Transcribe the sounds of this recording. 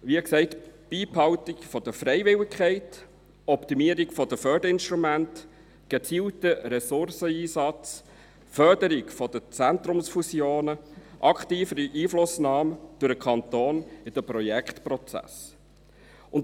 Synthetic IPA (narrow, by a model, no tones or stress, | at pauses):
ʋiəksɛɪtb̥iːphɑwtɪkfɔd̥̪əfɾɛɪvɪlɪkχɛɪt | ɔptimiəɾikfɔd̥əfœɾd̥əɾɪnʃtɾumænt | ɡ̥et͡siːltəɾɛsʊrsəiːsɑt͡s | fœɾdəɾɪkfɔd̥ət͡sænt̪ɾʊmsfusjoːnəʔɑkχtiːfəɾiʔiːflʊsnɑːməd̥ʊɾəkʰɑnt̪oːnɪd̥əpɾɔjɛkχtpɾɔt͡sæ̰s | ʊnt